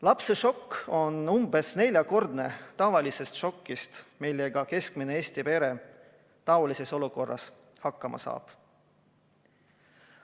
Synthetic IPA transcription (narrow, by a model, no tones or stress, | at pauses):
lɑpse̞ʃo̞kːo̞numbe̞sne̞lʲjɑko̞rd̪ne̞t̪ɑvɑlise̞st̪ʃo̞kːist̪milːe̞ɡ̥ɑke̞skmineeːsʲt̪ipe̞ɾe̞ | t̪ɑolise̞so̞luko̞rːɑ̰s | hɑkːˑɑmʔɑ̰sɑ̰ːb̥